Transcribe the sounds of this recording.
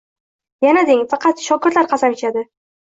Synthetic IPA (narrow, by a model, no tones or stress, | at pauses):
janad̪eŋfɑqʰɑt̪ʃɒkʲɪɾt̪laɾqʰɑsamet͡ʃad̪ɪ